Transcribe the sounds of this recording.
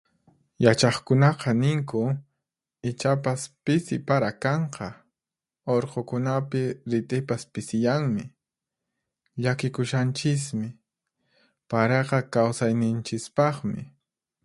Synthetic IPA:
jat͡ʃɑχkʊnɑqɑnɪŋkʊ | ɪt͡ʃapaspɪsɪpaɾakɑɴqʰɑ | oɾqokʊnapɪɾɪt̪ʼɪpaspɪsɪjaŋmɪ | ʎakɪkʊʃant͡ʃɪs̬mɪ | paɾeqɑkawsajnɪnt͡ʃɪspɑχmɪ̰

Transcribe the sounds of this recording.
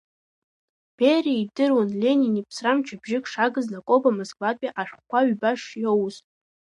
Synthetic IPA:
b̥eriidɨrwonlʲeninipʰsramt͡ʃʰabʒɪkʼʂaɡɨznakʼobamoskʼvapʼiʔaʃᶣkʷʰaɥbaʂjowztʼ

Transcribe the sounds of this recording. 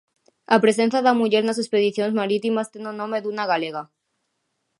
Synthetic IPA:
apɾes̬e̞nθjaðamuʝeɾnas̬espeðiθjonezmaɾit̪imast̪enonõmeðunaɣaleɣa

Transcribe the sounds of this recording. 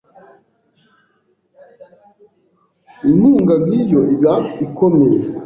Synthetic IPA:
inuːŋɡabɡiːjoibjaikʰomeje

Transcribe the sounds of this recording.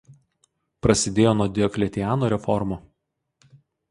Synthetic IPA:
pɾɐsʲɪd̪ʲeːjoːnuɔd̪ʲɛɔkʲlʲɛt̪ʲɪjæːnoːɾʲɛfɔɾmoː

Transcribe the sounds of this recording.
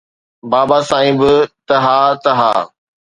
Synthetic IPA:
baːbaːsãːĩbt̪ɐɦaːt̪ɐɦa̰ː

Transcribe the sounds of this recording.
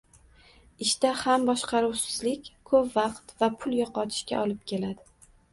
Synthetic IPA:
ɪʃt̪ahambɒʃqɑɾuwsɪzlɪkʲkʰɵpvɑqt̪vapʰʊlˠjɒqɒt̪ʰɪ̥ʃkʲa̰ʔɒlɪp̚kʲe̞lad̪ɪ

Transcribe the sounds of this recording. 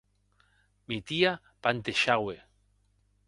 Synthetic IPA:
mit̪ia | pant̪eʃaɣwe

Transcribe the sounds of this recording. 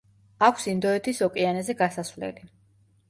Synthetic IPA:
akʰsind̪ɔɛt̪ʰisɔkʼianɛzɛɡasasvlɛ̰li

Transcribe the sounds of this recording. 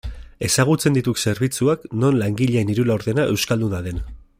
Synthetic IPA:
e̞saɣ̞ut͡se̞nd̪it̪ukse̞ɾβit͡suakno̞nlaŋɡiʎeːniɾulaoɾðe̞naʔe̞wskald̪unaðe̞n

